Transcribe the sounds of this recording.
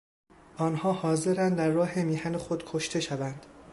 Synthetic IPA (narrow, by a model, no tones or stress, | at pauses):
ʔɒːnhɒːhɒːze̞ɾænd̪d̪æɾːɒːɦemiːhænexod̪̥kʰoʃt̪ʰe̞ʃævænd̪̥